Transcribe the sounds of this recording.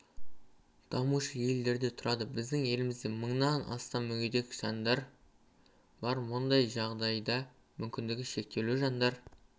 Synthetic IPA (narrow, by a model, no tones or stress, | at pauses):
d̪̥ɑmuʃəje̞ld̪e̞ɾd̪e̞t̪ʰʊɾɑd̪əbɪzd̪ɪŋje̞lɪmɪzd̪eməɴnɑnʔɑ̰st̪ɑmʏɡʲed̪e̞kʲʒ̥ɑnd̪ɑɾ | bɑɾwond̪ɑjʒɑʁd̪ɑjd̪ɑ | mʏmkʲɪnd̪ɪɡʲɪʃe̞k̚t̪e̞luʒɑnd̪ɑɾ